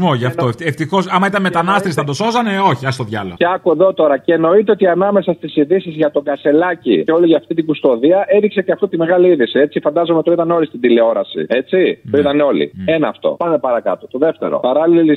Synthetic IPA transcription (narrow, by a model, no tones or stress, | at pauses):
moʝɐftoet̪eft̪ixo̞sɐmɐit̪ɐnmet̪ɐnɐst̪esi̥θɐd̪oso̞zɐneo̞çiɐst̪oðʝɐlɐ̰eɐkue̞ðo̞t̪o̞ɾɐceno̞it̪eo̞t̪iɐnɐme̞sɐst̪isiðisizʝɐt̪o̞ɡɐse̞lɐcḭeo̞liʝɐft̪it̪iɡust̪o̞ðiɐe̞ðikseceɐft̪ot̪ime̞ɣɐliiðisie̞t͡sifɐnd̪ɐzo̞met̪o̞it̪ɐneo̞list̪ind̪ile̞o̞ɾɐsḭe̞t͡sioit̪ɐneo̞lḭenɐːft̪o̞̰pɐnepɐɾɐkɐ̰t̪o̞t̪o̞ðeft̪e̞̰ɾo̞̰pɐɾɐlilili